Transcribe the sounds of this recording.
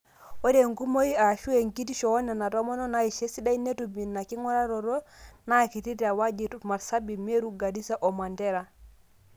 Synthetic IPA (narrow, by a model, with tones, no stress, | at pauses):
wo˦ɾe˨ŋɡu˦mo˦i˦a˨ʃu˦e˨ŋki˦ti˦ʃo˨˦ne˨na˨to˦mɔ˦no˦na˦i˨ʃe˦si˦da˦i˦ne˦tu˨mi˨na˨ki˦ŋo˦ɾa˦ɾo˨ɾo˦na˦˨ki˨ti˦ti˨a˨wa˦d͡ʒi˨tma˨ɾsa˦bi˨me˦ɾu˦ɡa˨di˦sa˦ʔo˨ma˨nte˦ɾa˨